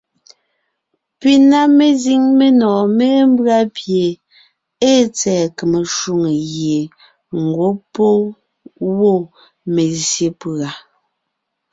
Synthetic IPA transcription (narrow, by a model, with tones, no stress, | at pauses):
pi˦na˦me˦zi˦ŋme˦nɔː˨me˦m˦bɰa˦pje˨ | e˦t͡sɛː˨ke˨me˨ʃu˦˨ŋe˨ɣje˨ | ŋ̩˨ɡwo˦po˦ | wo˦˨ | me˨zje˨pa˨